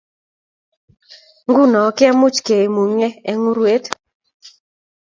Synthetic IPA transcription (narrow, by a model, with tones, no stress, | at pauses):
ŋɡu˦nɔ˨˦kɪ˦a˦mʊ˦t͡ʃke˨e˨mu˨ŋe˦ɛ˦ŋu˦ɾwe˦t